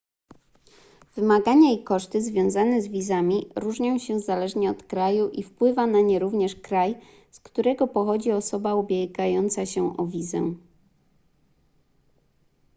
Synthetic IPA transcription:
v̥ɘmaɡaɲaikɔʂt̪ɘzvʲjɔ̃w̃zanɛzvʲizamʲiɾuʐɲɔ̃w̃ɕɛzalɛʐɲɛɔt̪kɾajuʔifpwɘvanaɲɛɾuvɲɛʂkɾaj | skt̪uɾɛɡɔpɔxɔd͡ʑiɔsɔbaubʲjɛɡajɔnt̪saɕɛʔɔvʲizɛ̰

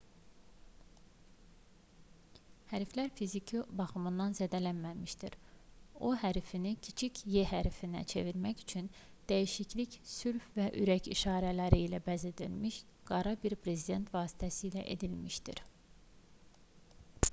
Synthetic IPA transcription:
hæɾflæɾfizicʰibɑχɯmɯnd̪ɑnzæd̪ælænmæmiʃd̪iɾo̞ɦæɾfinicʰit͡ʃʰicʰjeɦæɾfinæ̰t͡ʃʰe̞̰viɾmæçyt͡ʃʰyn | d̪̥æjiʃicʰlicsyɾfvæʔyɾæcʰiʃɑːɾælæɾiːlæbæzed̪ḭlmiʃ | ɡ̥ɑɾɑbiɾpʰɾe̞zid̪e̞nt̪ʰvɑːsi̥t̪ʰæsiːlæʔe̞̰d̪ilmiʃt̪ḭɾ

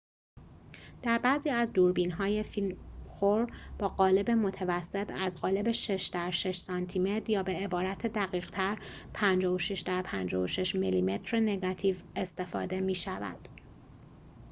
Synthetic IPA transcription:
d̪̥æɾbæːziːæzd̪uːɾbiːnɦɒːje̞filmxoɾb̥ɒːɢɒːle̞be̞mo̞t̪ʰevæsːet̪ʰæzɢɒːle̞be̞ʃe̞ʃd̪æɾʃe̞ʃsɒnt̪ʰiːmet̪ɾjɒːbe̞ebɒːɾæt̪ʰed̪æɣiːɣ̥t̪ʰæɾpʰænd͡ʒɒːhoʃeʃd̪æɾpʰænd͡ʒɒːoʃeʃmiliːme̞t̪ʰɾene̞ɡɒt̪ʰiːve̞st̪e̞fɒ̰ːd̪e̞miːʃævæ̰d̪̥

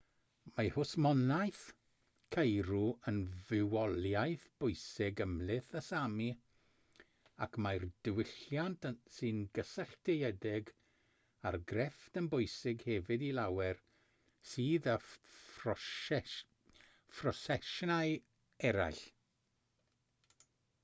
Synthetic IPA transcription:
mahʊsmɔnajθ | kʰejɾuənvɪwɔlˠjajθb̥ʊjsɪɡəmlˠɪθəsami | akʰmajrd̥ɪwɪɬjantʰsɨnɡəsɛɬtʰejɛdɪɡ | arɡrɛftənbʊjsɪɡhɛvɨdilawɛr | siːðə | frɔsɛʃnaɨ | ɛɾa̰jɬ

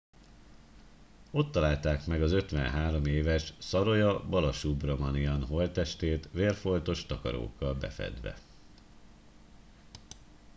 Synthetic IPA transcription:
o̞t̪ːɒlaːlt̪aːkmɛɡɒzø̞t̪ʋɛ̰nɦaːɾo̞meːvɛʃsɒɾo̞jɒbɒlɒʃubrɒmɒniɒnɦo̞lt̪ɛʃt̪eːt̪ʋeːrfo̞lt̪o̞ʃt̪ɒkɒ̰ɾo̰ːkːɒlbɛ̰fɛ̰d̪ʋɛ̰

